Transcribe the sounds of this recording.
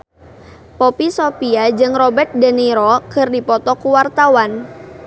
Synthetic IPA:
pɔpisopiad͡ʒɨŋrɔbɛrt̪̚dəniɾɔkɨrdipɔt̪ɔkuwart̪awan

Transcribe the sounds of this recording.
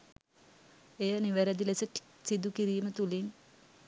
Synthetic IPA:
ejəniʋæɾæd̪ilesəʈ | sid̪ukiɾiːmət̪uliŋ

